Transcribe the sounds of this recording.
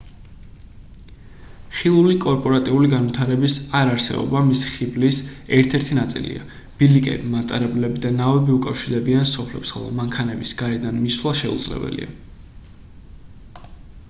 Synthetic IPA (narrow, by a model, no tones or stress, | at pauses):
χilˠulikʼɔɾpʼɔɾat̪ʼiuliɡanvit̪ʰaɾɛbisaɾaɾsɛ̰bɔ̰bamisi̥χiblisɛɾt̪ʰɛɾt̪ʰinat̪sʼḭlḭa̰ | b̥ilikʼɛ̰bimat̪ʼaɾɛblɛbid̪anavɛbiukʼafʃiɾd̪ɛbiansɔpʰlɛpsχɛ̰lˠɔ̰maŋkʰanɛbisɡ̥aɾɛd̪anmiswlˠaʃɛṵd̪zlɛ̰bɛ̰lḭa̰